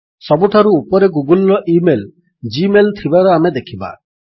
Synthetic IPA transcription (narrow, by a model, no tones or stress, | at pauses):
sɔbuʈʰaɾuupɔɾeɡuɡulːɔʔimel | d͡ʒimelt̪ʰibaɾɔamed̪ekʰiba̰